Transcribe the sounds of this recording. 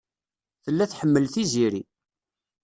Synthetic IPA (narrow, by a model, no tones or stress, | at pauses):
θəlːæθħəmːəlθiziɾi